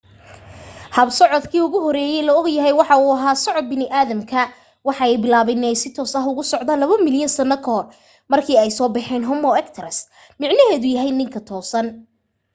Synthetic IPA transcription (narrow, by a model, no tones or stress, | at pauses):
hɐbsɔʕɔd̪kʰiːʊɣʊɦɔɾɛːjɛjlɔɔɡjɐɦɛjwɑħɑuːɐɦaːsɔʕɔd̪̚bɪnɪʔaːðɐmkʰɐ | wɑħɑɛjbɪlaːβɛnɛjsɪt̪ʰɔːsɐɦʊɣʊsɔʕd̪ɐlɐβɐmɪljɐnsɐnːɐkʰɐhɔr | mɐrkʰiːɛjsɔːbɛħɛːnɦɔmɔɛkt̪ʰɐɾɐs | mɪʕnɐɦɛːðʊjɐɦɛjnɪŋkʰɐt̪ʰɔːsɐn